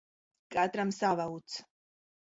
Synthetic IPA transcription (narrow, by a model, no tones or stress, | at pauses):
kʼad̪ɾamsavaut̪sʰ